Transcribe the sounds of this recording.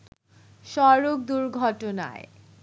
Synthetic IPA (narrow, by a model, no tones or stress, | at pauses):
ʃɔɾok̚d̪uɾɡʱɔʈona̰e